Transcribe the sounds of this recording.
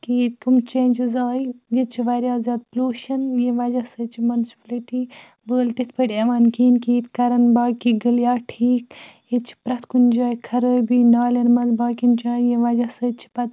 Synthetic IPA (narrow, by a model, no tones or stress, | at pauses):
kit̪kumt͡ʃeːnʲd͡ʒizaːjjet͡ʃʰiʋaɾjaːzʲaːd̪̚ploːʃɐnjeʋɐd͡ʒɐsəːt͡ʃʰimɐnspliʈiː | bəːlt̪it̪ʰpʰəʈʲɐʋaːnkiːnkit̪kɐɾɐnbaːkiɡɨljaːʈʰiːkjet̪t͡ʃʰi̥pɾɐt̪ʰkund͡ʒaːjkʰɐɾəːbiːnaːlɐnmɐnzbaːkint͡ʃãːjeʋɐd͡ʒɐsəːt͡ʃʰi̥pɐt̪